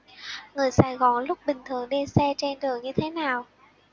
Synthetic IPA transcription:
ŋɨ˨˩əjsaː˧˩jɣɔ˧˩nlʊ˦˥k͡p̚ɓï˨˩ŋ̟t̪ʰɨ˨˩əŋɗe˧sɛ˧t͡ɕe˧nɗɨ˨˩əŋɲɨ˧t̪ʰe˨˦naː˨˩w

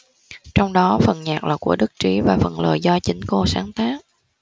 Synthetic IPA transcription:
t͡ɕɔ˧wŋ͡mɗɔ˨˦fə˨˩nɲaː˨˩k̚la̰ː˨˩ku˧˩əɗɨ˦˥k̚t͡ɕi˨˦vaː˨˩fə̰˨˩nlə̰ː˨˩jzɔ˧t͡ɕï˨˦ŋ̟ko˧saː˨˦nt̪aː˦˥k̚

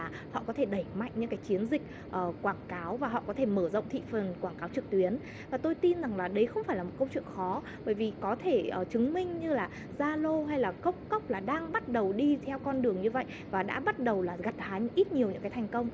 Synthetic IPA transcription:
aː˨˩ | hɔ̰˧˨kɔ˨˦t̪ʰe˧˩ɗə˧˩jma̰˧˨jŋ̟ɲɨ̰˧˥kaː˨˦jt͡ɕi˨˦ənzï˨˩k̟̚ | ʔəː˨˩kwaː˧˩ŋkaː˨˦wvaː˨˩ɦɔ̰˧˨kɔ˨˦t̪ʰe˧˩məː˧˩zə̰˧˨wŋ͡mt̪ʰḭ˧˨fə˨˩nkwaː˧˩ŋkaː˨˦wt͡ɕɨ˨˩k̚t̪wi˨˦ən | vvaː˨˩t̪o˧jt̪i˧nza˨˩ŋlaː˨˩ɗə˨˦jxə˧wŋ͡mfaː˧˩jlaː˨˩mo˨˩t̚kə˧wŋ͡mt͡ɕwḭ˧˨əŋxɔ˨˦ | ɓəː˧˩jvi˨˩kɔ˨˦t̪ʰe˧˩ʔəː˨˩t͡ɕɨ˨˦ŋmï˧ŋ̟ɲɨ˧laː˨˩ | zaː˧lo˧ɦa˧jlaː˨˩kə˦˥wk͡p̚kə˦˥wk͡p̚laː˨˩ɗaː˧ŋɓa˦˥t̚ɗə˨˩wɗi˧t̪ʰɛ˧wkɔ˧nɗɨ˨˩əŋɲɨ˧və̰˧˨jʔ | vaː˨˩ɗa̰ː˧˥ɓa˦˥t̚ɗə˨˩wlaː˨˩ɣa˨˩t̚haː˨˦jʔi˦˥t̚ɲi˨˩əwɲɨ̰˧˥kaː˨˦jt̪ʰa˨˩ŋ̟kə˧wŋ͡m

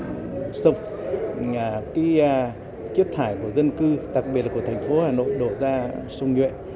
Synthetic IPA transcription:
sʊ˨˩k͡p̚ː | kaː˨˦˧ | t͡ɕi˦˥t̚t̪ʰaː˧˩jku˧˩əzə˧nkɨ˧ɗa˨˩k̚ɓi˨˩ətlːku˧˩ə˩t̪ʰjŋ̟fo˨˦haː˨˩no̰˧˨jɗo˧˩zaː˧sʊ˧wŋ͡mɲwḛ˧˨

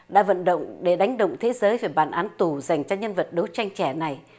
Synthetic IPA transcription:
ɗa̰ː˧˥və̰˧˨nɗə̰˧˨wŋ͡mɗe˧˩ɗa˨˦jŋ̟ɗə̰˧˨ŋ͡mt̪ʰe˨˦zəː˨˦jve˨˩ɓaː˧˩nʔaː˨˦nt̪u˨˩za˨˩jŋ̟t͡ɕɔ˧ɲə˧nvə˨˩t̚ɗə˨˦wt͡ɕa˧jŋ̟t͡ɕɛ˧˩na˨˩j

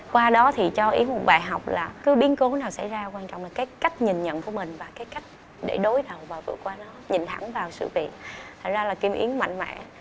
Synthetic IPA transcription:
kwaː˧ɗɔ˨˦t̪ʰi˨˩t͡ɕɔ˧ʔi˨˦əmo˨˩t̚ɓaː˨˩jɦa˨˩wk͡p̚laː˨˩kɨ˨˦ɓi˨˦nko˨˦naː˨˩wsa˧˩jzaː˧kwaː˧nt͡ɕɔ̰˧˨ŋ͡mlaː˨˩kːaː˨˦jka˦˥jk̟̚ɲi˨˩nɲə̰˧˨nku˧˩əmï˨˩ŋ̟vaː˨˩kaː˨˦jka˦˥jk̚ | ɗe˧˩ɗo˨˦jɗə˨˩wvaː˨˩vɨ̰˧˩əkwaː˧nɔ˨˦ɲi˨˩nt̪ʰa˧˩ŋvaː˨˩wsɨ̰˧˨vi˨˩ət̚t̪ʰa˨˩ŋ̟zaː˧laː˨˩ki˧mʔḭ˨˦ənma̰˧˨ŋma̰ː˧˥

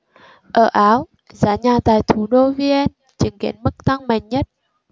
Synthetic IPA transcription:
ʔəː˧˩ʔaː˨˦w | zaː˨˦ɲaː˨˩t̪aː˨˩jt̪ʰu˨˦ɗo˧vi˧ʔɛ˧n | t͡ɕi˨˦ŋkḭ˧˦ənmɨ˦˥k̚t̪ʰa˧ŋma˨˩jŋ̟ɲə˦˥t̚

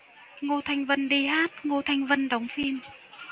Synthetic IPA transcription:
ŋo˧˩t̪ʰa˨˧jŋ̟və˧˨nɗi˧ɦaː˦˥t̚ŋo˧t̪ʰa˨˧jŋ̟və˧˨nɗa˨˦wŋ͡mfi˧m

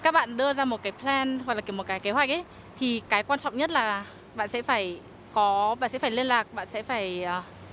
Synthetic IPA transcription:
kaː˦˥k̚ɓa̰ː˧˨nɗɨ˧əzaː˧mo˨˩t̚kaː˨˦jpʰlɛ˧nw̚laː˨˩ki˧˩mo˨˩t̚kaː˨˦jke˨˦ɦwa˨˩k̚ʔə˨˦ | t̪ʰi˨˩kaː˨˦jkwaː˧nt͡ɕɔ̰˧˨wŋ͡mɲə˦˥t̚laː˨˩ | ɓa̰ː˧˨nsɛ̰˧˥faː˧˩j | kɔ˨˦ɓaː˧˨sɛ̰˧˥faː˧˩jli˧ənlaː˨˩k̚ɓa̰ː˧˨nsɛ̰˧˥faː˧˩jəː˨˩

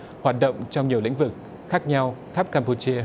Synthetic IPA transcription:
hwaː˨˩t̚ɗə̰˧˨wŋ͡mt͡ɕɔ˧wŋ͡mɲi˨˩əwlḭ˧˥ŋ̟vɨ˨˩k̚ | xaː˦˥k̚ɲa˧wxaː˦˥p̚kaː˧mpu˧t͡ɕi˧ə

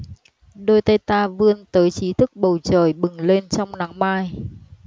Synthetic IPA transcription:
ɗo˧jt̪ə˧jt̪aː˧vɨ˧ənt̪əː˨˦jt͡ɕi˨˦t̪ʰɨ˦˥k̚ɓə˨˩wt͡ɕəː˧˩jɓɨ˨˩ŋle˧nt͡ɕɔ˧wŋ͡mna˨˦ŋmaː˧j

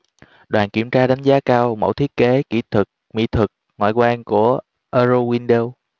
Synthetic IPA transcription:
ɗwaː˨˩nkḭ˧˩əmt͡ɕaː˧ɗa˨˦jŋ̟zaː˨˦kaː˧wmo̰˧˩wt̪ʰi˦˥ət̚ke˨˦kḭ˧˩t̪ʰɨ˨˩k̚mḭ˧˥t̪ʰɨ˨˩k̚ŋwa̰ː˧˨jkwaː˧nku˧˩ə | ʔəː˧zo˧wi˧nɗe˧w

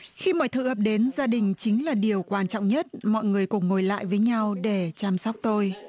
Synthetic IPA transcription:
xi˧mɔ˨jt̪ʰɨ̰˧˩həː˨˩p̚ɗe˨˦nzaː˧ɗï˨˩ŋ̟t͡ɕï˨˦ŋ̟laː˨˩ɗi˨˩əwkwaː˧nt͡ɕɔ̰˧˨wŋ͡mɲə˦˥t̚mɔ̰˧˨jŋɨ˨˩əjkʊ˨˩ŋ͡mŋo˨˩jla̰ː˧˨jvəː˨˦jɲa˧wɗe˧˩t͡ɕaː˧msɔ˦˥wk͡p̚t̪o˧j

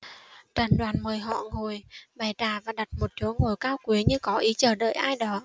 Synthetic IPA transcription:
t͡ɕə˨˩nɗwaː˨˩nməː˨˩jɦɔ̰˧˨ŋo˨˩jɓa˨˩jtaː˨˩vaː˨˩ɗa˨˩t̚mo˨˩t̚t͡ɕu˨˦ŋo˨˩jkaː˧wkwi˨˦əɲɨ˧kɔ˨˦ʔi˨˦t͡ɕəː˧˩ɗə̰ː˧˨jʔaː˧jɗɔ˨˦

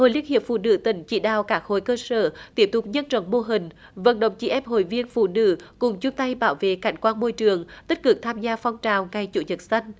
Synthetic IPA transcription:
ho̰˧˨jli˧ənhi˨˩əp̚fṵ˧˨nɨ̰˧˥t̪ï˧˩ŋ̟t͡ɕḭ˧˩˥ɗa̰ː˧˨wkaː˦˥k̚ho̰˧˨jkəː˧səː˧˩t̪i˦˥əp̚t̪ʊ˨˩k͡p̚ɲə˧nt͡ɕɔ̰˧˩˦ŋ͡mmo˧ɦï˨˩ŋ̟ | və̰˧˥nɗə̰˧˨wŋ͡mt͡ɕḭ˧˩ʔɛ˧mɦo̰˧˨jvi˧ənfṵ˧˨nɨ̰˧˥kʊ˨˩ŋ͡mt͡ɕʊ˧ŋ͡mt̪a˧jɓaː˧˦wvḛ˧˨ka˧˩jŋ̟kwaː˧nmo˧jt͡ɕɨ˨˩əŋt̪i˦˥t̚kɨ˨˩k̚t̪ʰaː˧mzaː˧fɔ˧wŋ͡mt͡ɕaː˨˩wŋa˧˩jt͡ɕṵ˧˦ɲə˨˩t̚sa˧jŋ̟

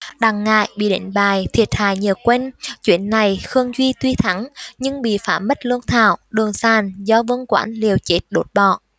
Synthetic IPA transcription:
ɗaː˨˩ŋːa̰ː˧˨jɓḭ˧˨ɗḛ˧˦nɓaː˨˩jt̪ʰi˧˩ət̚haː˧˨jɲəː˨˩kwɛ˧nt͡ɕwḭ˧˥ənːa˨˩jxɨ˧əŋzwi˧t̪wi˧t̪ʰa˨˦ŋɲɨ˧ŋɓḭ˧˨faː˧˩mːə˦˥t̚lɨ˧ənt̪ʰa̰ː˧˨wɗɨ˨˩ənsaː˨˩nzɔ˧vɨ˧ŋkwa̰ː˨˦nli˨˩əwt͡ɕe˦˥t̚ɗo˨˦˥t̚ɓɔ̰˧˨

